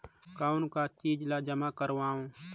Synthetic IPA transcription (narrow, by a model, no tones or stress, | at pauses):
kaːʊnkaːt͡ʃiːd͡ʒlaːd͡ʒəmaːkəɾʋaːõː